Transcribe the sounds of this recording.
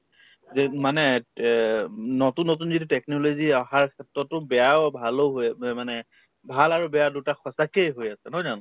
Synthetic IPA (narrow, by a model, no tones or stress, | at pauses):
zɛmanɛ | notunːotunzitutɛknɔloziaxaɹkʰɛtɹɔtʊbɛjawbʱaloɦojɛmanɛ | bʱalaɹubɛjadutaxʰɔsakejɦojasɛnɔjzanɔ